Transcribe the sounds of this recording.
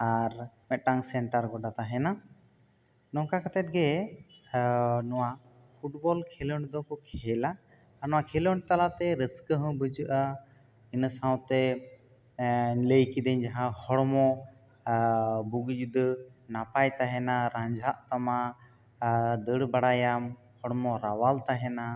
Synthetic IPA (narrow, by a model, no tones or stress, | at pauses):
aɾmɛt̪̚ʈaŋsɛɳʈaɾɡɔɖat̪aɦɛna | nɔ̃kakat̪ɛʈ̚ɡɛ | nɔwa | pʰuʈbɔlkʰɛləɳɖd̪ɔkɔkʰɛlaː | ɾnɔwakʰɛləɳɖt̪alat̪ɛɾəskəɦɔ̃bəd͡ʒəʔa | insawt̪ɛ | ləjkid̪əɲd͡ʒaɦãhɔɽmɔ̃ | buɡd͡ʒud̪napajt̪aɦɛnaɾãɲd͡ʒʱaʔt̪ama | d̪əɽbaɽajam | hɔɽmɔɾawalt̪aɦɛna